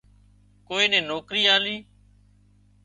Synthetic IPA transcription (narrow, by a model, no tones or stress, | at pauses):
koːĩːnẽːnoːkɾiːaːliː